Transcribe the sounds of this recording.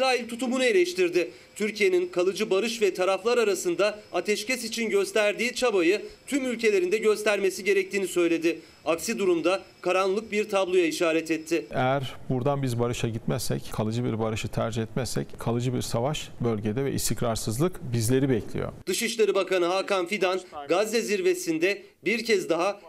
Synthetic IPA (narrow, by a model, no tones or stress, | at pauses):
ɾaːilʲt̪ʰut̪umunɯe̞lʲɛʃt̪iɾd̪ɪ | t̪ʰyɾcʰije̞ninkʰalˠɯd͡ʒɯbaɾɯʃvɛt̪ʰaɾaflˠaɾaɾasɯnd̪aat̪ʰɛʃcɛsit͡ʃʰinɟø̞st̪ʰæɾd̪iːt͡ʃʰabajɯt̪ʰymylʲce̞lʲe̞ɾind̪ɛɟø̞st̪ʰæɾme̞siɟe̞ɾɛc̚t̪iːnisø̞jlʲe̞d̪ɪ | aksid̪uɾumd̪akʰaɾanlˠɯk̚biɾt̪ʰablˠojaiʃaːɾɛt̪ɛt̪ʰːɪejæɾbuɾd̪anbizbaɾɯʃaɟit̪mɛsːɛ̰ckʰalˠɯd͡ʒɯbiɾbaɾɯʃɯt̪ʰæɾd͡ʒihɛt̪mɛsːɛ̰ckʰalˠɯd͡ʒɯbiɾsavaʃbølʲɟed̪ɛvɛ̰ʔḭst̪ʰicɾaɾsɯzlˠɯkbizlʲe̞ɾibɛclʲḭjo̰d̪̥ɯʃɯʃlˠaɾɯbakanɯɦaːkʰanfid̪anɡazːeziɾve̞sind̪ɛ | biɾcʰɛzd̪aɦa